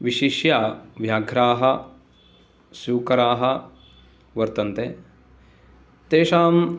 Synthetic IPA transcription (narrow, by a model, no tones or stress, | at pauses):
ʋiʃiʃjaːʋjaːɡʱɾaːɦɐ̆ | suːkɐɾaːɦɐ̆ | ʋɐɾt̪ɐnt̪eː | t̪eːʃaːm